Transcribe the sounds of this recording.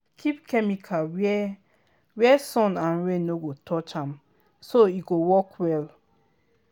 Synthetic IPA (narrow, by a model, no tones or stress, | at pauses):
kʰipkʰɛmikʰawɛ | wɛsɔ̃nãnɹẽnoɡotʰɔt͡ʃãm | soiɡowɔkʰwɛl